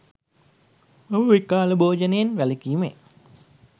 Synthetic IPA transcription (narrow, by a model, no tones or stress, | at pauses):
ɐməʋikaːləboːd͡ʒənejenʋæləkiːmḛ